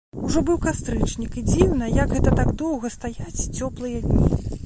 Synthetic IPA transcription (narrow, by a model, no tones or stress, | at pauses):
uʐɔbɨwkast̪ɾɨt͡ʂnʲikid͡zʲiwnɐjɐɡɣɛt̪ɐt̪aɡd̪ɔwɣɐst̪ajat͡sʲt͡sʲɔplˠɨjɐd̪ʲnʲḭ